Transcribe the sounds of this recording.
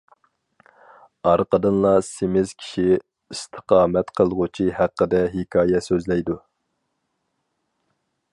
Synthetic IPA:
ɑɾqəd̪ɨnlˠɑsemɪz̥kʲʰi̥ʃi | ist̪ʰə̥qʰɑːmɛt̪qʰəlˠʁut͡ʃʰihæqːəd̪ɛɦikʰɑːjɛsøzlɛjd̪u

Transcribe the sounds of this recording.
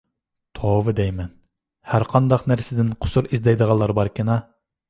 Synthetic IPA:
t̪ʰovɨd̪ɛjmɛn | hæɾqʰɑnd̪ɑqnæɾsɪd̪ɪnqʰʊ̥suɾizd̪ɛjd̪əʁɑlˠːɑɾbɑɾkʲinɑ

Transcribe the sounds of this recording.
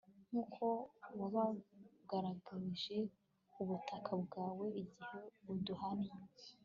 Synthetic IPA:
n̥uːkʰo̞waβaɡaɾaɡaɾiʒe̞ | uβutʰakʰabɡaːwe̞iɟihe̞βuduhane

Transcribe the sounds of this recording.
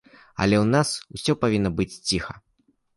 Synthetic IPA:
ɐ̰lʲɛwnasusʲɔpavʲinːɐbɨt͡sʲt͡sʲixɐ

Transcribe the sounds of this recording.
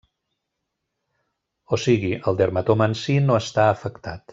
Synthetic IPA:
osiɣiʔəlˠd̪əɾmət̪omənsinoəst̪aəfəkt̪at̪

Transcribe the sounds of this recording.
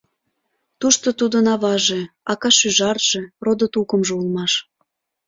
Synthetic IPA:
t̪uʃt̪ot̪ud̪ənɑβɑʒeɑkɑʃyʒɑrʒ̥erod̪ot̪ukəmʒeulˠmɑʃ

